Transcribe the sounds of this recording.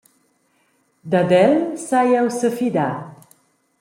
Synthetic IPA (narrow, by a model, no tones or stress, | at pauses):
d̪ad̪ɛlsajɛwsəfid̪a